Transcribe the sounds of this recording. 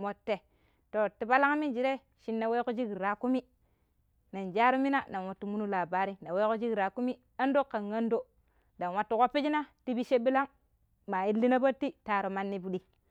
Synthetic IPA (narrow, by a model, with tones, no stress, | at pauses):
mo˨tːe˨ | to˨ti˨ba˦la˦ŋ˦mi˦d͡ʒi˨ɾe˦ | ʃi˦nːa˨we˦ko˦d͡ʒi˦ɡi˨ɾɾa˨ku˦mi˦ | na˨nd͡ʒa˦ɾu˦mi˦na˦na˨nwo˨tːu˦mu˦nu˦la˨ba˨ɾi˦na˨we˦ko˦d͡ʒi˦ɡɾa˨ku˦mi˦ | a˦n˦do˦kːa˨nɡa˦ndo˦ | da˨nwa˦tːu˦ko˦pːi˦d͡ʒi˦na˦ti˦bi˦ʃe˦bi˦la˦ŋ | ma˨ji˦lːi˦na˦ba˦tːi˦ta˨ɾo˨ma˦nːi˦bu˦ɗi˦